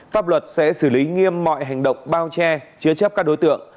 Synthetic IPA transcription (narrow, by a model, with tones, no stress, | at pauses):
faː˦˥p̚lwə˨˩t̚sɛ̰˧˥sɨː˧˩li˨˦ŋi˧əmːɔ̰˧˨jɦa˨˩jŋ̟ɗə̰˧˨wŋ͡mɓaː˧wt͡ɕɛ˧t͡ɕɨ˨˦ət͡ɕə˦˥p̚kaː˦˥k̚ɗo˨˦jt̪ɨ̰˧˨əŋ